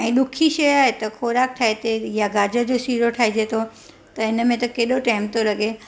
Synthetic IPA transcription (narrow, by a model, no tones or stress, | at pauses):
ɛ̃ːɗʊkʰiʃɐjaːɦet̪ɐxoːɾaːk̚ʈʰaːɦet̪ʰejaɡaːd͡ʑəd͡ʑosiːɾoʈʰaːɦed͡ʑeːt̪ʰo | t̪ɐɪnəmẽt̪ɐkeːɗoʈaːɪmt̪olɐɠe